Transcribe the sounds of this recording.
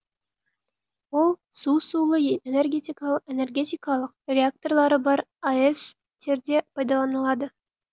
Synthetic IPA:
wo̞lˠsusulˠəene̞rɡʲet̪ʲikɑene̞rɡʲe̞t̪ʲijkɑlˠəqrʲeak̚t̪o̞rlˠɑɾəbɑɾaes | t̪ʰe̞ɾd̪e̞pʰɑjd̪ɑlˠɑnəlˠɑd̪ə

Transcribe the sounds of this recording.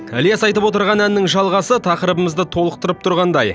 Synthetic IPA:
æljesɑjt̪əpwot̪əɾʁɑnænːɪŋʒɑlˠʁɑsət̪ʰɑqəɾəbəməzd̪ət̪ʰo̞lˠəq̚t̪əɾəp̚t̪ʰʊɾʁɑnd̪ɑj

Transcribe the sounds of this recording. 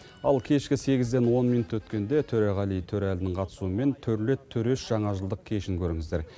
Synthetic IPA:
ɑlˠkʲʰe̞ʃkʲɪse̞ɡʲɪzd̪e̞nwo̞nmijnut̪wɵt̪kʲe̞nd̪e̞t̪ʰɵɾeʁɑlijt̪ʰɵɾælɪnɪŋqʰɑt̪ə̥suəme̞nt̪ʰɵɾle̞t̪ʰːɵɾeʃʒ̥ɑɴɑʒəlˠd̪əq̚kʲʰe̞ʃɪŋkʲʰɵɾɪŋɪzd̪e̞ɾ

